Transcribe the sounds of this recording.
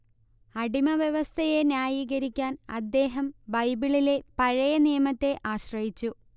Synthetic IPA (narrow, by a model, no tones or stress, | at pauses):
ɐɽimɐʋjeʋɐst̪ʰɐje̞njaːjiːɣɐɾikʲːaːnɐd̪ːe̞ːɦɐmbɐjbiɭile̞pɐɻɐjɐnijɐmɐt̪ːe̞ʔaːɕrɐjit͡ɕːu